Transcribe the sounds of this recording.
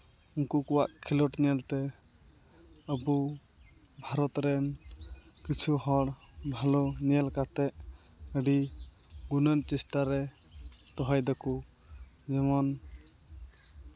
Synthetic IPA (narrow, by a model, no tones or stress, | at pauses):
uŋkukuwaʔkʰilɔʈɲɛlt̪ɛ | əbu | bʱaɾɔt̪ɾɛn | kit͡ʃʰuɦɔɽbʱalɔɲiɛlkat̪ɛʔəɖiɡunənt͡ʃɛsʈaɾɛ | t̪ɔɦajd̪ɔku | d͡ʒɛmɔn